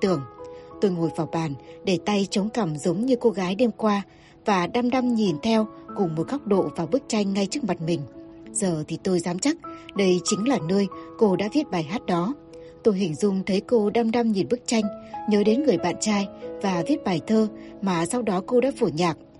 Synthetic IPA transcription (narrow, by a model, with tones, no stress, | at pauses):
t̪ɨ˧˩əŋt̪o˧jŋo˧˩jvaː˨˩wɓaː˧˩nɗe˧˩t̪a˧jt͡ɕə˨˦wŋ͡mkə˧˩mzə˨˦wŋ͡mɲɨ˧ko˧ɣaː˨˦jɗe˧mkwaː˧ | vaː˨˩ɗa˧mɗa˧mɲi˨˩nt̪ʰɛ˧wkʊ˨˩ŋ͡mmo˨˩t̚xa˦˥wk͡p̚ɗo̰˧˨vaː˨˩ɓɨ˦˥ək̚t͡ɕa˧jŋ̟ŋa˧jt͡ɕɨ˦˥ək̚ma˨˩t̚mï˨˩ŋ̟z̥əː˨˩t̪ʰi˨˩t̪o˧jzaː˨˦mt͡ɕa˦˥k̚ɗə˧jt͡ɕï˨˦ŋ̟laː˨˩nə˧əjko˧ɗa̰ː˧˥vi˦˥ət̚ɓaː˨˩jɦaː˦˥t̚ɗɔ˨˦ | t̪o˧jɦï˨˩ŋ̟zʊ˧ŋ͡mt̪ʰə˨˦jko˧ɗa˧mɗa˧mɲi˨˩nɓɨ˦˥k̚t͡ɕa˧jŋ̟ɲəː˨˦ɗe˨˦nŋɨ˨˩əjɓa̰ː˧˨nt͡ɕaː˧jvaː˨˩vi˦˥ət̚ɓaː˨˩jt̪ʰəː˧maː˨˩sa˧wɗɔ˨˦ko˧ɗa̰ː˧˥fu˧˩ɲaː˨˩k̚